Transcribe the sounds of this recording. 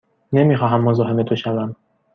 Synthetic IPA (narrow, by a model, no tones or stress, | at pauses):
nemixɒːɦæmːozɒːɦe̞met̪ʰoʃævæm